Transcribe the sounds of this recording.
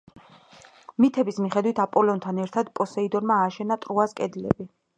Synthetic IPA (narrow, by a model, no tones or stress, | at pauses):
mit̪ʰɛbismiχɛd̪wit̪ʰapʼɔlɔnt̪ʰanɛɾt̪ʰad̪pʼɔsɛid̪ɔɾmaːʃɛnat̪ʼɾuaskʼɛd̪ilɛ̰bi